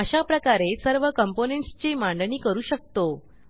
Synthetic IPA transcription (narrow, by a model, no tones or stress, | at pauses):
əɕapɾəkaɾesəɾʋəkəmponẽɳʈst͡ɕemaɳɖniːkəɾuːɕək̚t̪o